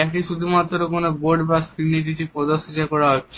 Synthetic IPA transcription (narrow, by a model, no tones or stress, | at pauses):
ekʈiʃud̪ʱumat̪ːɾɾokonoboɾɖbaskɾinːiʈ̬iʈipɔd̪oʃot̪akɔɾaɦotːɕʰe